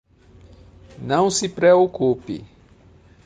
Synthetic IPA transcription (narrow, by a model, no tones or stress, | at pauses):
nɐ̃w̃sipɾeokupḭ